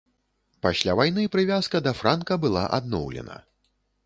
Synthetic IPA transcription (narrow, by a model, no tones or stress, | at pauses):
pasʲlʲavajnɨpɾɨvʲaskɐd̪ɐfɾankɐbɨlˠa̰ʔad̪nɔwlʲɛ̰nɐ̰